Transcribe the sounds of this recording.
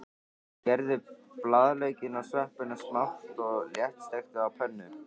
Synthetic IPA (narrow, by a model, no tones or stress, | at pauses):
cɛɾðɪplaðleːjcɪnawsvɛhpɪnasmaft̪ɔɣljɛht̪st̪ejxt̪ʏawpʰɛnːʏ